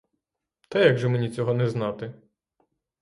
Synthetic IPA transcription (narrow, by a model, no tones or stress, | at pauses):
t̪ɛjaɡʒɔmenʲit͡sʲɔɦɔnɛznɑt̪ɪ